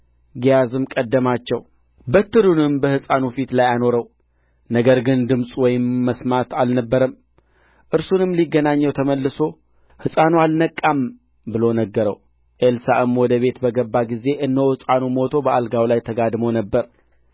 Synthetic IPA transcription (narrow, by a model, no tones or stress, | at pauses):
ɡijazɨmkʼəd̪ːəmat͡ʃːɛw | bət̪ːɨɾunɨmbəhɨsʼanufit̪lajano̞ɾəw | nəɡəɾɡɨnd̪ɨmsʼwɔjɪmːəsmat̪ʰalnəbːəɾəm | ʔɨɾsunɨmːliɡːənaɲːɛwt̪ʰəməlːɨso̞ | hɨsʼanualnəkʼːam | bɨlo̞nəɡːəɾəw | ʔelsaɨmwɔd̪əβe̞t̪bəɡəbːaɡize̞ʔɨnd̪əwɨsʼanumo̞t̪ʰo̞bəʔalɡawlajt̪ʰəɡad̪monəbːəɾ